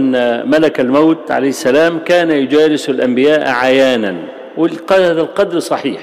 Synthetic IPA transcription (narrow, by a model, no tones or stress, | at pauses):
nːmalakalmawt̪ʕa̰lajhɪsːalaːmkaːnajʊd͡ʒaːlɪsalʔambɪjaːʔʕajaːnan | wɪaːðalqɑd̪ɾsˤɑħiːħ